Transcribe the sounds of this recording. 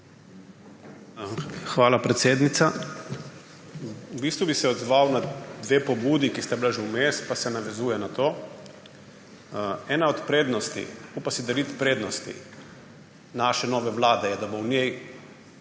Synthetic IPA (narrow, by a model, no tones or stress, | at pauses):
xʋaːlapɾɛt̪seːd̪nit̪sa | ubiːst̪ʋubisɛɔd̪zʋawnad̪ʋeːpɔbuːd̪ikist̪abilaʒewmeːst̪pasɛnaʋɛzuːjɛnat̪oː | ɛːnaɔt̪pɾeːd̪nɔst̪ḭupasid̪aɾit̪pɾeːd̪nɔst̪ḭ | naːʃɛnɔːʋɛʋlaːd̪ɛjɛd̪abownʲjej